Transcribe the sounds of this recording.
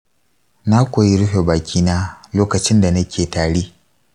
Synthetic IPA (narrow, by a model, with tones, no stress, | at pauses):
na˦kʷoː˨ji˦ɽʊ˦ɸeː˨baː˨kʲʰiː˦naː˦loː˦kɐ˨t͡ʃɪ˦nda˨nɐ˦kʲeː˨taː˨ɽiː˦